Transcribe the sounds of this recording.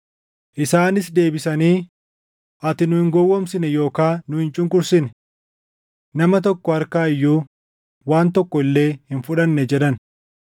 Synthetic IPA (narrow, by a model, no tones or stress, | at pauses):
ʔɪsaːnɪsd̪e̞ːbɪsɐniː | ʔɐt̪ɪnʊhɪŋɡɔwːɔmsɪnɛjo̞ːkaːnʊhɪnt͡ʃʼʊŋkʊɾsɪnɛ | nɐmɐt̪̬ɔkːɔɐɾkaːɪjːuː | waːnt̪ɔkːɔɪlːe̞ːhɪnfʊᶑɐnːɛd͡ʒɛᶑɐn